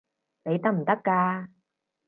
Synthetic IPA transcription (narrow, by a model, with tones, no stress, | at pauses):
ne˨˧jt̪ɐ˥k̚m̩˨˩t̪ɐ˥kːaː˧